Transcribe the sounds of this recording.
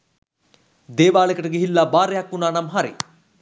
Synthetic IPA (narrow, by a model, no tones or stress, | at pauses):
d̪eːʋaːɭekəʈəɡiɦilːaːbaːɾejakːunaːnamɦaɾḭ